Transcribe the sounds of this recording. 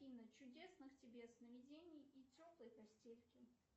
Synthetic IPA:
inət͡ɕʊdʲesnɨxtʲɪbʲe̞snəvʲɪdʲenʲɪjitʲoplˠəjpɐsʲtʲelʲkʲɪ

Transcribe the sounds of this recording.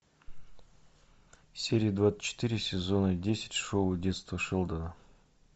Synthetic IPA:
sʲeɾʲɪjəd̪vat̪sɨ̥t͡ɕːɪ̥t̪ɨɾʲɪsʲɪzonədʲesʲɪ̥tʲʂodʲe̞t̪st̪vəʂɨlˠd̪ənə

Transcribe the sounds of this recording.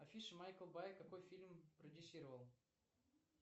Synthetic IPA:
ɐfʲiʂmajkəlˠbajkakojfʲilʲmprədʲɪsʲiɾəvəlˠ

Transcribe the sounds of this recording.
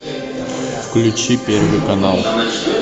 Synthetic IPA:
fklʲut͡ɕipʲervɨkɐnalˠ

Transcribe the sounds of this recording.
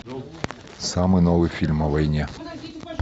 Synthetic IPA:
sɑmɪnɔʋɨfʲilʲmɐʋɐjnʲɛ

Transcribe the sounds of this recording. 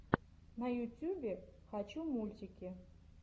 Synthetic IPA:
nɐjutʲubʲexat͡ɕumulʲt̪ʲikʲe

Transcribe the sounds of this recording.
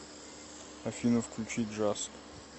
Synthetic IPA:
ɐfʲinəfklʲʉt͡ɕitʲʐask

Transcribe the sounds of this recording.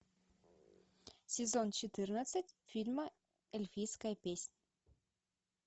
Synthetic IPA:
sʲezɔnt͡ʃit̪ɨrnəsətʲfilʲmə | elʲfiskajpʲesʲnʲ

